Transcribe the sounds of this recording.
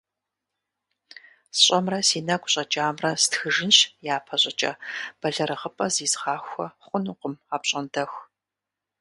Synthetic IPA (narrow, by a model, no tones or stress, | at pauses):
sɕʼɐmrɐsiːnɐɡʷʼɕʼɐt͡ʃʼaːmrɐstxɨʒɪnɕjaːpʰɐɕʼɐt͡ʃʼɐ̰b̥ɐɮɐɾɨʁəpʼɐziːzʁɑːxʷɔχʷʊnuːqəmaːpɕʼɐndɐx